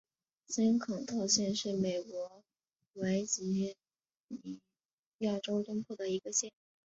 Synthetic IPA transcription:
sa˥nkʰɑ˨˩ŋt̪ʰɑ˥˧ʊɕjɛ˥˧nʂɻ̩˥˩me˨˩ɪkwɔ˧˥ | wa˧˥ɪt͡ɕi˧˥ | i˨˩ | ja˥˩ʈ͡ʂo˥ʊt̪ʊ˥ŋpʰwɔ˥˩d̪ə˩i˧˥ɡə˧ɕjɛ˥˩n˥

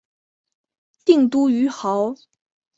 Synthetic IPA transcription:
t̪i˥˩ŋt̪u˥y˧˥xɑ˧˥ʊ

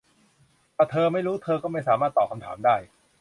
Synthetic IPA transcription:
t̪aː˧˩t̪ʰɤː˧ma˥˩jɾuː˦˥t̪ʰɤː˧kɔː˥˩ma˥˩jsaː˩˦maː˥˩t̪ːɔː˨˩p̚ka˧mt̪ʰa̰ː˩˦mdaː˥˩j

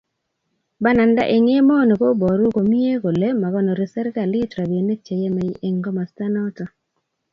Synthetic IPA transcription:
ba˦na˨nda̰˦ʔe˨ŋe˦mɔ˦no˨ko˦bɔ˨ɾu˦ko˨mi˦e˦ko˨le˦ma˨βɔ˦no˨ɾi˨sɛ˦ɾka˨lɪ˦tɾa˨be˨ne˦t͡ʃe˨je˦ma˨i˦ʔe˨ŋɡɔ˦ma˨sta˦nɔ˦tɔ˨

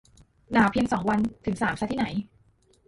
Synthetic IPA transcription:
naː˩˦wpʰi˧əŋsɔ˩˦ŋwa˧nt̪ʰɯ˨˩˦ŋsaː˩˦msa˧˥t̪ʰiː˥˩na˩˦j

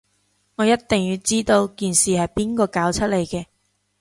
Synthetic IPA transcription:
ŋɔː˨˧jɐ˥t̚t̪ɪ˨ŋjyː˨˧wt͡siː˥t̪o˧wkiː˨nsiː˨hɐ˨jpiː˥nkɔː˧kaː˨˥wt͡sʰɐ˥t̚le˨˧jkɛː˧

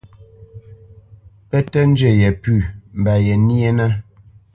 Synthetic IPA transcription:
pɛ˦tɛ˦n̩˦d͡ʒɛ˨jɛ˨pʉ˦˨m̩˨ba˨jɛ˨nji˦e˦nə˦

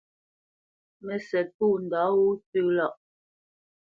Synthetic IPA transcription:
mɛ˨sɛ˨t̚puː˦˨n̩˨dɔ˨˦wu˦tʉ˦˨lɔ˦˨ʔ

